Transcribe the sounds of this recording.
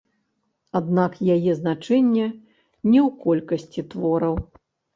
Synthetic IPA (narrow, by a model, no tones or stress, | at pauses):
ad̪nakjajɛznat͡ʂɛnʲːɛ | nʲɛwkɔlʲkɐsʲt͡sʲit̪vɔɾɐw